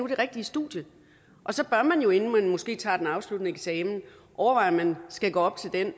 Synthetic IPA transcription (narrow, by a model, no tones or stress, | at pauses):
ud̥e̝ʁɛɡ̥̚d̥iəsd̥ṵːd̥jə | ʔɒ̽sɒ̽b̥ɶɐmænjo̝e̝nn̩mænmɔ̽sɡ̥e̝̰ːt͡sʰɑ̰̈ːd̥enɑ̈ʊslud̥nəeɡ̥sɛːmn̩ | ʔɒʊɐʋɑ̈ɪ̰ɐmænsɡ̥æɡ̥ɔ̰ːɒ̽b̥̚t͡sʰe̝ld̥en